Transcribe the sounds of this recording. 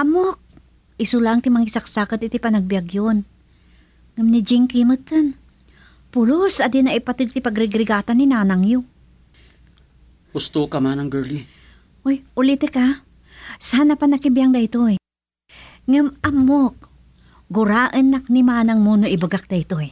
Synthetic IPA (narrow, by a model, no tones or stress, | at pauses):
ʔamok̚ | ɪsʊlaŋt̪ɪmaŋɪsak̚sakat̪ɪt̪ipanɐɡ̚bijaɡjon | ŋamnid͡ʒɪŋkimɨt̪ːɨn | pʊlosad̪inaɪpat̪ɨɡ̚t̪ɪpaɡɾɪɡɾɪɡaːt̪aninaːnaŋjo | hʊst̪okɐmanɐŋɡɛli | ʔojʔʊlit̪əka | saanapanɐkibjaŋd̪ɐjt̪oj | ŋɨmʔamok̚ | ɡʊɾaːʔənːak̚nimaːnaŋmunoʔɪbɐɡak̚d̪ɐjt̪oj